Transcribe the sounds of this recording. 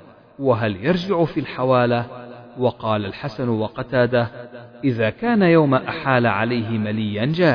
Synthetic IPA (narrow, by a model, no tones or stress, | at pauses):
waɦaljɑɾˤd͡ʒɪʕʊfiːlħawaːlawɑqɑːlalħasanwɑqɑt̪aːd̪aʔɪðaːkaːnajawmaʔaħaːlaʕalajɦɪmalɪjːand͡ʒaː